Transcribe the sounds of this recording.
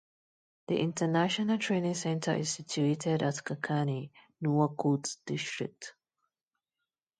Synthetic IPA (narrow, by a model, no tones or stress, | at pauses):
ðḭʔɪ̃ntʰənaʃənəltʰɹenɪ̃ŋsɛ̃ntʰə̰ʔɪ̰z̥sɪt͡ʃuetʰɪdətkʰəkʰaninuəkʰotsd̥ɪstɹɪ̰k̚t